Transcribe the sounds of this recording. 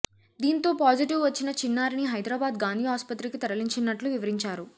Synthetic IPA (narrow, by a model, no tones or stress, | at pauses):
d̪iːnt̪o̞ːpaːd͡ʒiʈiʋʋɐt͡ʃːinɐt͡ʃinːaːɾiniɦɐjd̪ɾaːbaːd̪ɡaːnd̪ʱiːɦaːspɐt̪ɾikit̪ɐɾɐliɲt͡ʃinːɐʈluʋiʋɐɾiɲt͡ʃaːɾu